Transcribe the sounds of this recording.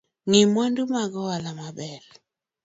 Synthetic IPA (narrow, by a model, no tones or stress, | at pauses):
ŋimwɛndumaɡɔwalamaɓɛl